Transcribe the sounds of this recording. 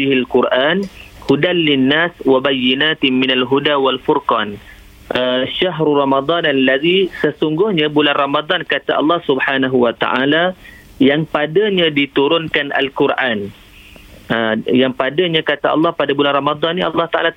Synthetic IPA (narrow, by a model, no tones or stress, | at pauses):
ilkʊrʔanhudanlɪnːaswabajːinat̪minalɦudawalfurkɑn | ʔəʃaɦɾurɑmad̪ˤɑnalːaðisəsuŋɡʊhɲabulanrɑmad̪ˤɑnkat̪aʔɑ̰lːɑhsubħanaɦuwat̪a̰ʔa̰la | jaŋpadaɲadit̪uɾʊnkanʔa̰lkurʔan | əjaŋpadaɲakat̪aʔɑ̰lːɑhpadabulanrɑmad̪ˤɑnːiʔɑ̰lːɑht̪aʔa̰la